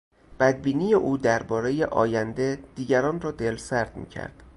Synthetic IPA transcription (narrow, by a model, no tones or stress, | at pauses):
b̥æd̪̚biːniːjeʔuːd̪æɾbɒːɾe̞jeʔɒ̰ːjænd̪e̞d̪̥iːɟæɾɒːnrɒːd̪e̞lsæɾd̪̥mḭːcʰæ̰ɾd̪̥